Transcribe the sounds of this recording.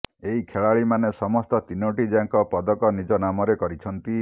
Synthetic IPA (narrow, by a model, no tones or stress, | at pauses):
eɦikʰeɭaɭimanesɔmɔst̪ɔt̪inoʈid͡ʒaŋkɔpɔd̪ɔkɔnid͡ʒɔnamɔɾekɔɾit͡ʃʰɔnt̪i